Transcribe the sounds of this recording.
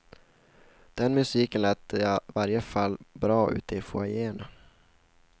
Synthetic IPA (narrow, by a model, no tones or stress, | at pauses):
d̪̥ɛnmɵsiːkənlæːt̪ːəjavaɾjəfalːbɾɑːʔʉ̟̰ːt̪ɪfo̰ajeːɳa